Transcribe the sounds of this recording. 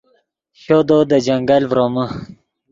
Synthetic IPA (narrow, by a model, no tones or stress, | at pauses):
ɕod̪od̪əd͡ʑaŋɡalvɾomə